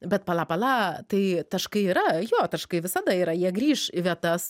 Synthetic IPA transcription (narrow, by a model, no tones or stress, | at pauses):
bʲɛt̪̚pɐlˠɑːpɐlˠɑːt̪ɐɪt̪ɐʃkɐɪiːɾɐjoːt̪ɐʃkɐɪʋʲɪsɐd̪ɐiːɾɐjiɛɡɾʲiːʃiʋʲiɛt̪ɐs